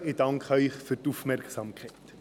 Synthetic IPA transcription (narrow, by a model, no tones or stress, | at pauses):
ɪd̥ɑŋkʰχœʏχfyɾtufmɛrkχsɑmkʰɛɪt